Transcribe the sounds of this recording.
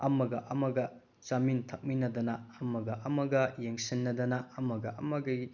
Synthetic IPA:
ɐmɐɡɐʔɐmɐɡɐ | t͡ʃɐmintʰɐk̚minɐd̪ɐnɐɐmɐɡɐʔɐmɐɡɐjeŋsinːɐd̪ɐnɐɐmɐɡɐʔɐ̰mɐɡɐ

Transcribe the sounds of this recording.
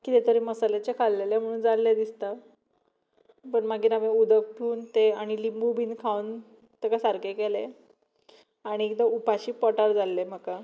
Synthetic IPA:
kiːt̪et̪əɾiməsalet͡ɕekʰalːelem̤əɽ̃uːnd͡zalːed̪ist̪a | pəɳmaɡiːnameud̪ək̚pʰuːnt̪eaɽ̃ilimbubʱiːnkʰawn | t̪əɡasaɾkekele | aɽ̃ikd̪əupaɕiːpɔʈaɾd͡zalːem̤aka

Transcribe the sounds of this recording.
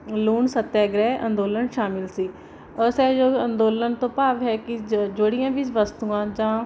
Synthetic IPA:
luːnsət̪ːɛːɡɾɛːʔə̰̃nd̪oːlənʃaːmɪlsiː | əsɛːd͡ʒoːənd̪oːlənt̪õːpaːʋɦɛːkɪd͡ʒoɽɪjãːʋɪt͡ʃʋəst̪uːãːd͡ʒãː

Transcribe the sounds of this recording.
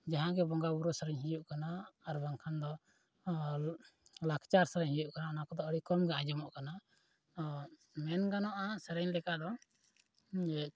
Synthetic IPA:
d͡ʒaɦãɡɛbɔŋɡabuɾɔsəɾɛɲɦijuʔkanaːɾbaŋkʰand̪ɔ | lakʰt͡ʃaɾsəɾɛɲhijuʔkanaɔnakɔd̪ɔəɽikɔmɡɛãd͡ʒɔmɔʔkana | mɛnɡanɔʔasəɾɛɲlɛkaʔd̪ɔ

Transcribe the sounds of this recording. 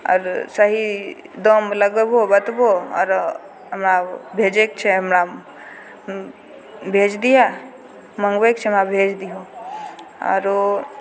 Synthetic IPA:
ɔ̰ɾsəɦi | d̪omləɡbobət̪boɔ̰ɾ | ɦəmɾabʱeːd͡ʒekt͡ʃʰeɦəmɾa | bʱeːd͡ʒd̪ija | mə̃ŋɡʋek̚t͡ʃʰemabʱeːd͡ʒd̪iɦo | ɔ̰ɾ

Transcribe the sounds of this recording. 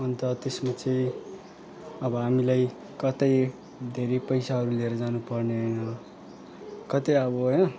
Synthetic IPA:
ʌnt̪ʌt̪esmat͡sʌĩ | ʌbʌɦamilaj | kʌt̪ʌj | d̪ʱeɾepʌjsaɦʌɾuleɾʌd͡zanupʌrneɦʌjnʌ | kʌt̪ʌjʌbʌɦʌjnʌ

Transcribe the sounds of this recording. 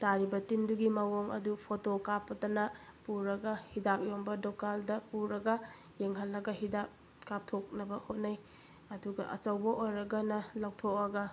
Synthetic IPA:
taɾibɐtinduɡimɐwoŋɐ̰dupʰotokapːɐtɐnɐpuɾɐɡɐhidap̚jombɐdokaldɐpuɾɐɡɐ | jeŋɦɐlːɐɡɐɦidap̚ | kap̚tʰok̚nɐbɐhot̚naj | ɐduɡɐ̰ʔɐ̰t͡ʃɐwbɐʔojɾɐɡɐnɐlawtʰok̚ɐɡɐ

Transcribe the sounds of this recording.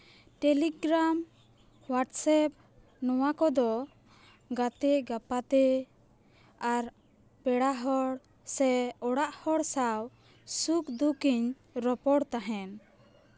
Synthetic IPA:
ʈɛliɡɾam | waʈsɛp̚ | nɔwakɔd̪ɔ | ɡat̪ɛɡapat̪ɛ | aɾ | pɛɽaɦɔɽ | sɛɔɽaʔhɔɽsaw | sukd̪ukiɲ | ɾɔpɔɽt̪aɦɛn

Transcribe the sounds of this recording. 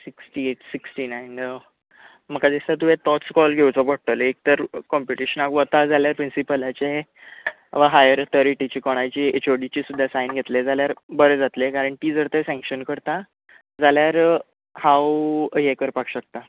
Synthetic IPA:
siksʈieʈsiksʈinajn | məkad̪ist̪at̪uẽt̪ɔt͡skɔlɡʱewt͡sɔbəɽ̚t̪əlek̚t̪əɾkɔmpuʈiɕənakʋət̪ad͡zaljaɾpɾinsipəlat͡ɕe | ʋaɦajəɾət̪ʰəɾiʈit͡ɕiːkɔɽ̃ajt͡ɕiːet͡ɕoɽit͡ɕiːsud̪ʱːasajnɡʱet̪led͡zaljaɾbəɾed͡zat̪lekaɾəɳʈiːd͡zəɾt̪əsɛ̃ŋkɕənkəɾt̪a | d͡zaljaɾ | hãwjekəɾpakɕək̚t̪a

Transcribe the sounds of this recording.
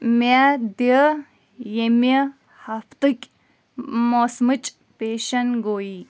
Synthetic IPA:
mad̪iə | jemɐ | hɐft̪ɨkʲ | mosmɨt͡ʃʼ | peːʃɐnɡoːi

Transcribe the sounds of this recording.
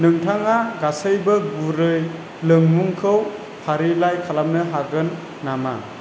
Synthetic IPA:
nɯŋtʰaŋaɡasɯjbɯɡuɾɯj | lɯŋmuŋkʰɯw | pʰaɾilajkʰalamnɯɦaɡɯnː | ama̰

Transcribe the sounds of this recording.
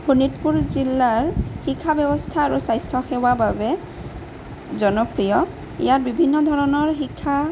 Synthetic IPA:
bʰʱunitpuɹzilːaɹxikʰːabɛbɔstʰaːɹusajstʰɔxewababɛ | zɔnɔpɹijɔ | ḭjaɹbibʱinːɔdʱɔɹɔnɔɹxikʰːa

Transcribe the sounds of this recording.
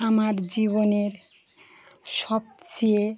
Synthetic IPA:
amaɾd͡ʑiβoneɾ | ʃɔb̚t͡ɕie

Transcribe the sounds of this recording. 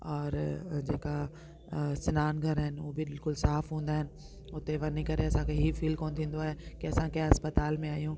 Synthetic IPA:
ɔːɾd͡ʑeːka | sɪnaːnɡʱɐɾɦɪnɪubɪbɪlkʊlsaːfɦũːn̆d̪aːɦɪnɪ̆ | ʊt̪eʋɐnikɐɾeɐsãkʰeɦifiːlkoːnt̪ʰĩːnd̪oaːɦekiɐsãkɐjãɐspət̪aːlmẽaːijũ

